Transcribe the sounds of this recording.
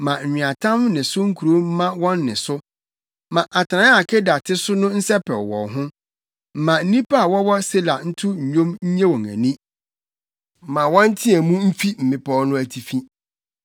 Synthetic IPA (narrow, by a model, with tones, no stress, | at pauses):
mã˨ɲ̩˨ɲᶣĩ˨a˨tʰã˦mnɪ̃˨sʊ˦ŋ̩˦kʰu˨ɾo˦m̩˦mã˦wɔ̃˦nːɪ̰̃˨sʊ˦ | mã˨ʔa˨tʰnã˨˦a˨kʰɛ˦da˨tʰɪ˦sʊ˦nʊ̃˦n̩˦sɛ˦pʰɛ˨wɔ̰̃˨ɦʊ̃˦ | m̩˨mã˨n̩˦nĩ˦pʰa˦a˨wɔ˦wɔ˦se˦la˨n̩˦tʰʊ˦ɲ̩˨ɲõ˦mɲ̩˦ɲɛ̃˦wɔ̃˨ŋæ̰̃˨nĩ˦˨ | mã˨wɔ̃˦n̩˦tʰɪ˦ɛ˨mũ˦m̩˦fi˦m̩˨mɪ̃˦pʰɔ˦nʊ̃˦æ˨tʰi˨fĩ˦